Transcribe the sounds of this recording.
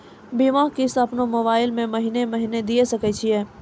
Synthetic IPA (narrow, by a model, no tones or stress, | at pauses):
bimaːɦkisɐpnomoːβaːɪlmẽmɐɦinemɐɦiːned̪iesɐkɛt͡ʃʰiɛː